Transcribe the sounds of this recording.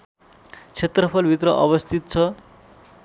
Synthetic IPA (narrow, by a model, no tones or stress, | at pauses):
t͡sʰet̪rʌpʰʌlbʱit̪rʌʔʌ̰βʌst̪ʰit̪̚t͡sʰʌ